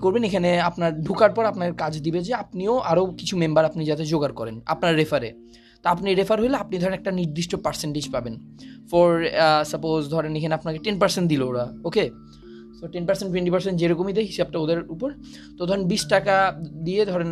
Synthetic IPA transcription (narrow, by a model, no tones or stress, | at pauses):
koɾbenekʰaneapnaɾɖʱukaɾpɔɾapnaeɾkad͡ʑd̪ibed͡ʑeapnioʔaɾokit͡ɕʰumembaɾapnid͡ʑat̪ed͡ʑoɡaɾkɔɾena̰pnaɾːefʰaɾe | t̪oapniɾefʰaɾɦojleapnid̪ʱɔɾenɛk̚ʈaniɾd̪iʃʈopaɾseɳʈed͡ʑpaben | fɔɾsapozd̪ʱɔɾenekʰaneapnakeʈenpaɾseɳʈd̪ilooɾaoke | t̪oʈenpaɾsenʈ̬weɳʈipaɾsenʈd͡ʑeɾokomid̪eɦiʃab̚ʈaod̪eɾupoɾ | t̪od̪ʱɔɾenbiʃʈakad̪ied̪ʱɔɾen